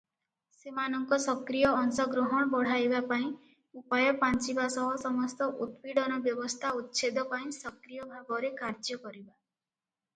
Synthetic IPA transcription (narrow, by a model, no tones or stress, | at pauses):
semanɔŋkɔsɔkɾijɔːŋsɔɡɾoɦɔɽ̃ɔbɔɽ̤ajbapaĩ | upajɔpant͡ʃibasɔɦɔsɔmɔst̪ɔʔut̪piɽɔnɔbjɔbɔst̪ʰaut̪ːt͡ʃʰed̪ɔpaĩsɔkɾijɔbʱaɡɔɾekaɾd͡ʒɔkɔɾiba